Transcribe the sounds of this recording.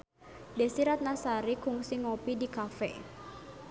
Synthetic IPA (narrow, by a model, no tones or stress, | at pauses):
desiɾat̪̚nasaɾikuŋsiŋopidikafɛ̰